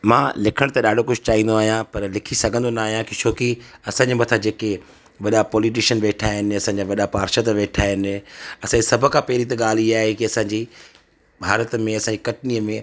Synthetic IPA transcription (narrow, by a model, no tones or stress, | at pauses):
mãːlɪkʰəɽ̃t̪ɐɗaːɖʱokʊd͡ʑʱt͡ɕaːɦĩnd̪oaːɦijãpɐɾlɪkʰisɐɡʱə̃nd̪onaaːɦijãkit͡ɕʰoːkiɐsãːɲd͡ʑimɐt̪ʰad͡ʑeːke | ʋɐɗapɔːlɪʈ̬ɪʃənʋeːʈʰaːɦɪnɪ̆ɐsãɲd͡ʑaʋɐɗapaːɾʃət̪ʋeːʈʰaːɦɪnɐsãɲd͡ʑisɐbʱʊ̆kʰãːpɐɦɪɾit̪̬ɐɠaːl̤iaːɦekiɐsãːɲd͡ʑiː | bʱaːɾət̪mẽɐsãɲd͡ʑikɐʈniːəmẽ